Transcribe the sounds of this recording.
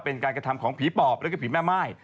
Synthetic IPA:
pe˧nkaː˧nka˧t̪ʰmkʰɔː˩˦ŋpʰiː˨˦pɔː˨˩p̚ɾaː˦˥ka˥˩pʰiː˨˩˦mɛː˥˩maː˥˩j

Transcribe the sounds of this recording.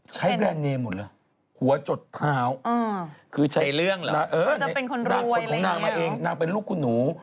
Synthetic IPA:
t͡ɕʰa˦˥jbɛː˧nːeː˧mːo˨˩t̚lɤː˧˩ | hu˩˦ɐt͡ɕo˨˩t̪ʰːaː˦˧˥wkʰɯː˧t͡ɕʰa˦jlɯ˥˩əŋ˧na˧ʔɤː˧˩n˧a˦˩e˧nkʰo˧na˥˧˩kɔː˨˦ŋnaː˧ŋmaː˧ʔeː˧ŋnaː˧ŋpe˧nluː˥˩kʰːu˧nːuː˩˦

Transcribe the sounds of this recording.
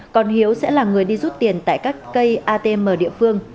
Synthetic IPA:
kɔ˨˩nhi˨˦əwsɛ̰˧˥laː˨˩ŋɨ˨˩əjɗi˧zu˦˥t̚t̪i˨˩ənt̪a̰ː˧˨jkaː˦˥k̚ːə˧jʔaː˧t̪e˧məː˨˩ɗḭ˧˨əfɨ˧əŋ

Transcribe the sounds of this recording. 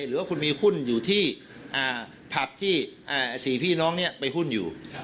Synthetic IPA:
jɾɯː˨˦waː˥˩kʰu˧nmiː˧hu˥˩njuː˨˩t̪ʰiː˥˩ | ʔaː˨˧˩ | pʰa˨˩p̚t̪ʰiː˥˩ʔaː˨˧˩siː˩˦pʰiː˥˩nɔː˦˥ŋni˥˩ɐpa˧jɦu˥˩njṵː˨˩

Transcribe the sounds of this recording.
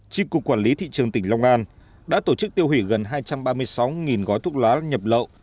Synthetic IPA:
t͡ɕi˧ku˨˩kːwaː˧˩nli˨˦t̪ʰḭ˧˨t͡ɕɨ˨˩əŋt̪ï˧˩ŋ̟la˧wŋ͡mʔaː˧n | ɗa̰ː˧˥t̪o˧˩t͡ɕɨ˦˥k̚t̪i˧əwhi˧˩ɣə˨˩nɦaː˧jt͡ɕa˧mɓaː˧mɨ˧əjsa˨˦wŋi˨˩nɣɔ˨˦jt̪ʰu˦˥ət̚laː˨˦ɲə˨˩p̚lə̰ː˧˨w

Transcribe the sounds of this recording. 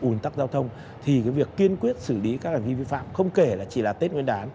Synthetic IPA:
ʔu˨˩nt̪a˦˥k̚zaː˧wt̪ʰə˧wŋ͡m | t̪ʰi˨˩kaː˨˦jvi˨˩əkːi˧ənkwi˦˥ət̚sɨ˧˩li˨˦kaː˦˥k̚hŋ̟vi˧vi˧fa̰ː˧˨mxə˧wŋ͡mke˧˩laː˨˩t͡ɕi˧˩laː˨˩t̪e˦˥t̚ŋwi˧nʔaː˨˦n

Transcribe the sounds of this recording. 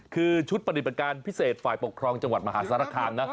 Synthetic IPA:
kʰɯː˧t͡ɕʰu˦˥t̪̚pɾa˧t̪ʰi˨˩ba˨˩kaː˧npʰi˦˥seː˨˩t̪̚faː˨˩jpo˨˩kʰɾɔː˧ŋt͡ɕa˧ŋwa˨˩t̪̚ma˧ɦaː˩˦˥saː˧˦ɾaː˧˩kʰaː˧nːa˦˥

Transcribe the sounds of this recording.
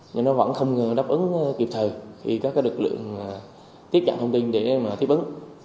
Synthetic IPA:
ɲɨ˧˩nɔ˨˦və̰˧˥nxə˧wŋ͡mɗaː˦˥p̚ʔɨ˨˦ŋ˧ki˨˩p̚t̪ʰə˨˩jt̪ʰi˨˩kaː˦˥kaː˨˦lɨ˨˩k̚lɨ̰˧˨əŋa˨˩ | t̪i˦˥əp̚t͡ɕa̰ː˧˨t̪ʰə˧wŋ͡mt̪i˧ŋɗe˧˩maː˨˩t̪ʰi˦˥əʔɨ˨˦ŋ

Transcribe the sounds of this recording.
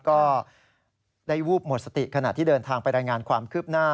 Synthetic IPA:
kɔː˥˩ | daː˥˩jɾuː˥˩p̚mo˨˩t̪̚sa˧t̪i˨˩kʰa˧na˨˩t̪ʰiː˥˩dɤː˧nt̪ʰaː˧ŋpa˧jɾaː˧jŋaː˧nkʰwaː˧mkʰɯː˥˩p̚naː˥˩

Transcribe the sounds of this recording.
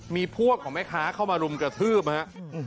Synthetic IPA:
miː˧pʰu˥˩əp̚kʰɔː˩˦mɛ˦˥kʰaː˦˥kʰa˥˩wmaː˧ɾu˧mkɾa˧t̪ʰɯː˥˩p̚ha˦˥ʔ

